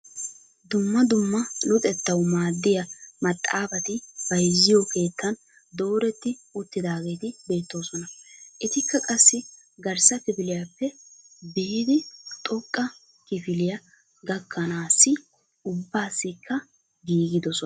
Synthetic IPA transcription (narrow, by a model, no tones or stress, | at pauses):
d̪ʊmːɐd̪ʊmːɐnʊt̪ʼɛt̪ːɐwmaːd̪ːɪjɐmɐt̪ʼːaːbɐt̪ɪbɐjzːɪjɔke̞ːt̪ʰːɐn | d̪o̞ːɾɛt̪ːɪʊt̪ːɪd̪aːɡe̞ːt̪ɪbe̞ːt̪ːo̞ːsɔnɐʔɪt̪ɪkːɐkʼɐsːɪ | ɡɐɾsɐtɪbɪlɪjɐpːɛbiːd̪ɪt̪ʼɔkʼːɐ | kɪfɪlɪjɐ | ɡɐkʰːɐnaːsːɪ | ʊbːaːsːɪkʰːɐ | ɡiːɡɪd̪ɔsɔ